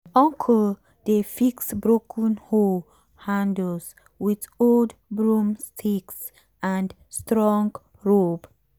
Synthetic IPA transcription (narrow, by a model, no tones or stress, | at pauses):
ɔ̃ŋkʰɔl | defiksbɹokʰə̃nhol | hãndls | wit | oldbɹũmstʰiks | ãnd | stɹɔ̃ŋɡ | ɹob